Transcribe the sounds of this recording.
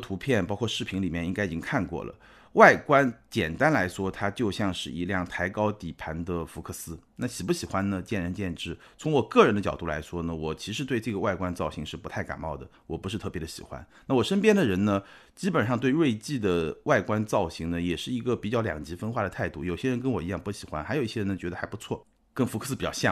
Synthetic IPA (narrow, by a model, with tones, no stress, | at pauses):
t̪ʰu˧˥pʰjɛ˥˩npɑ˥ʊkʰɔ˥˧ʂɻ̩˥˩pʰi˧˥ŋli˨˩mjɛ˥˩˧ni˥ŋka˥ɪi˨˩t͡ɕi˥ŋkʰa˥˧nkwɔ̰˥˩lə̰˩ | wa˥˩ɪkwa˥nt͡ɕjɛ̰˨˩nt̪a˥nla˧˥ɪʂwɔ˥t̪ʰa˥t͡ɕjo˥˧ʊɕjɑ˥˧ŋʂɻ̩˥˩ḭ˧˥ljɑ˥˩ŋt̪ʰa˧˥ɪkɑ˥ʊt̪i˨˩pʰa˧˥nd̪ə˧fu˧˥kʰɤ˥˩sɹ̩˥na˥˩ɕi˨˩pu˥˩ɕi˨˩xwa˥nnə˨t͡ɕjɛ˥˩nɻə˧˥nt͡ɕjɛ˥˧nʈ͡ʂɻ̩˥˩ | t͡sʰʊ˧˥ŋwɔ˨˩kɤ˥˩ɻə˧˥nd̪ə˧t͡ɕjɑ˨˩ʊt̪u˥˩la̰˧˥ɪʂwɔ˥nə˨wɔ˨˩t͡ɕʰi˧˥ʂɻ̩˧˥t̪we˥˧ɪʈ͡ʂɤ˥˩ɡə˩wa˥˩ɪkwa˥nt͡sɑ˥˩ʊɕi˧˥ŋʂɻ̩˥˩pu˧˥a˥˩ɪka̰˨˩nmɑ˥˩ʊd̪ə˩wɔ˨˩pu˧˥ʂ̬ɻ̩ʰ˥˧ɤ˥˩pjɛ˧˥d̪ə˧ɕḭ˨˩xwa̰˦˥nna˥˩wɔ˨˩ʂə˥npjɛ˥nd̪ə˨ɻə˧˥nnə˧ | t͡ɕi˥pə˨˩nʂɑ˥˧ŋt̪we˥˧ɪwe˥˧ɪt͡ɕi˥˩d̪ə˩wa˥˩ɪkwa˥nt͡sɑ˥˩ʊɕi˧˥ŋnə˨jɛ˨˩ʂɻ̩˥˩i˧˥ɡə˧pi˨˩t͡ɕjɑ˥˩ʊljɑ̰˨˩ŋt͡ɕi˧˥fə˥nxwa˥˩ɾə˩t̪ʰa˥˧ɪt̪u˥˩jo˨˩ʊɕjɛ˥ɻə˧˥nkə˥nwɔ˨˩i˧˥jɑ˥˩ŋpu˧˥ɕi˨˩xwa̰˧˥nxa˧˥ɪji˥˩jɛ˥ɻə˧˥n˧˩t͡ɕɥɛ˧˥d̪ə˧xa˧˥ɪpu˧˥t͡sʰwɔ˥˩ | kə˥nfkɤ˧˩sɹ̩˥pi˨˩t͡ɕɑ˥˧ɕjɑ˥˩